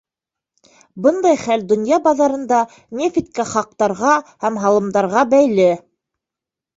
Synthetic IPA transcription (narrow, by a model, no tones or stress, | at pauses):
bɤnd̪ɑjχæld̪ŏnjɑbɑðɑɾɤ̆nd̪ɑ | nʲefit̪̚kæχɑq̚t̪ɑɾʁɑhæmɦɑlˠɤ̆md̪ɑɾʁɑbæjlɘ